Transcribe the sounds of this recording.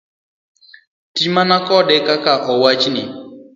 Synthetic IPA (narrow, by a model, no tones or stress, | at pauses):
timanakɔɗɛkakaʔɔwat͡ʃini